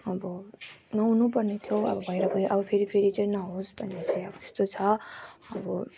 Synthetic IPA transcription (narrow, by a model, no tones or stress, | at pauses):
ʌbʌnʌũnupʌrnet̪ʰjoʌ̰bʌbʱʌjɾʌkooʔʌbʌpʰeɾipʰeɾit͡saĩnʌɦosbʱʌnːet͡saĩʌbʌt̪e̥st̪ot͡sʰʌʌbʌ